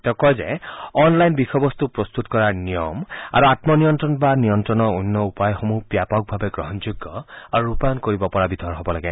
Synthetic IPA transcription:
tɔkɔjzɛ̰ɔnlajnbixɔbɔst̪upɹɔst̪utkɔɹanijɔma̰ɹuatmɔnijɔntɹɔnbanijɔntɹɔnɔunːɔupajxomupjapɔk̚bʱabɛɡɹɔɦɔnd͡ʒuɡːɔaɹuɹupankoɹibɔpɔɹabidʱɔɹɦɔbɔlaɡɛ

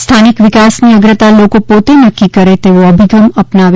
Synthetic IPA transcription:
st̪ʰanikʋɪkasniəɡɾət̪alokopot̪enəkːikəɾet̪eʋoəbʱiɡəməpnaʋ

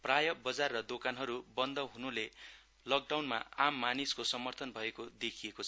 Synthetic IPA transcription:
prajʌbʌd͡zarːʌd̪okanɦʌɾubʌnd̪ʱʌɦunule | lʌk̚ɖawnma̰amːaniskosʌmʌrt̪ʰʌnbʱʌekod̪ekʰijekot͡sʰʌ

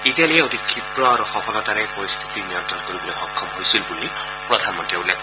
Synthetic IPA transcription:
italijɛod̪ikʰːipɾɔaɾuxɔpʰɔlɔt̪aɾepɔɾist̪ʰi̥t̪inijɔt̪ɔnkoɾibɔlɔjhɔkʰːɔmɦojsilbulːi | pɹɔd̪ʱanmɔnteulːek

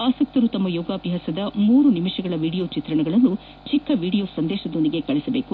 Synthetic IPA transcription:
aːsɐk̚t̪ɐɾut̪ɐmːɐjɔːɡaːpjɦaːsɐd̪ɐmuːɾunimiʂɐɡɐɭɐʋiːɽijo̞ːt͡ʃit̪ɾɐɳɐɡɐɭɐnːu | t͡ʃikːɐʋiːɽijo̞ːsɐnd̪ɛːʃɐd̪ond̪iɡe̞kɐɭisɐbe̞ːku

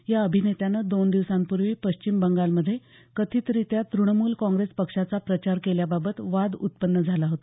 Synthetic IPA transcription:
jaəbʱinet̪janəd̪ond̪iʋsampuɾʋiːpəɕt͡ɕimbəŋɡalməd̪ʱːje | kət̪ʰiːt̪əɾit̪jat̪ɾuɳmuːlkɔ̃ŋɡɾespəkʂat͡sapɾət͡ɕaɾkeljababət̪ʋad̪ut̪̚pənːəd͡zʱalaɦot̪a

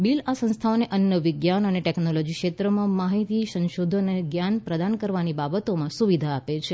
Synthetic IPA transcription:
bilasə̃ñst̪ʰaoneʔənjəʋɪɡjanəneʈɛknolod͡ʒikʃet̪ɾəmãmaɦit̪isə̃nʃod̪ʱəneɡjanpɾəd̪ankəɾʋanibabət̪omãsuʋid̪ʱaːpet͡ʃʰe

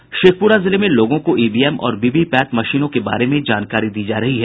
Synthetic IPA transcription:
ʃeːk̚ʰpuːɾazɪlemẽloːɡõkoʔiːbiːɛːmɔ̰ːɾbiːbipɛːt̪mɐʃiːnõkeba̰ːɾemẽd͡ʒaːnkaːɾid̪iːd͡ʒaːɾɐɦiɦɛ

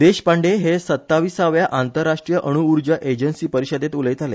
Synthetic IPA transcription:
d̪eɕpaɳɖeɦesət̪ːaʋisaʋjaʔant̪əɾːaʂʈɾijəʔəɽ̃uːɾd͡ʑəʔed͡ʑənsiːpəɾiɕəd̪et̪uləjt̪ale

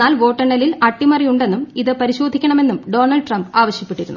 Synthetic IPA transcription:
aːlʋo̞ːʈːɐɳːɐlilɐʈːimɐrijuɳɖe̞nːumiðɨpɐɾiɕo̞ːd̪ʱikʲːɐɳɐme̞nːumɖo̞ːnɐlɖʈrɐmbaːʋɐɕjɐpːeʈːiɾunːu

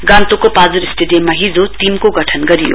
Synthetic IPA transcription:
ɡãnt̪okopad͡zuɾisʈeɖijemːaɦid͡zot̪imkoɡʌʈʰʌnɡʌɾijo̰

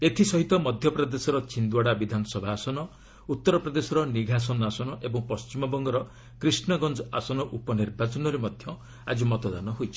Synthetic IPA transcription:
et̪ʰisɔɦit̪ɔmɔd̪ʱjɔpɾɔd̪esɔɾɔt͡ʃind̪waɽabid̪ʱanɔsɔbʱaːsɔnɔ | ut̪ːɔɾɔpɾɔd̪esɔɾɔniɡʱas̬ɔnasɔnɔʔebɔŋpɔst͡ʃimɔbɔŋɡɔɾɔ | kɾisnɔɡɔnd͡ʒɔasɔnɔʔupɔniɾbat͡ʃɔnɔɾemɔd̪ʱjɔ | a̰d͡ʒumɔt̪ɔd̪anɔɦojt͡ʃʰi̥

